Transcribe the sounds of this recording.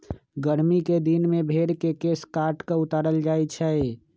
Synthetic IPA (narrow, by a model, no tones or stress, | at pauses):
ɡəɾmiked̪inmebʱeɾkekeskaɾʈkeʊt̪aːɾəld͡ʒaɛt͡ʃʰɛ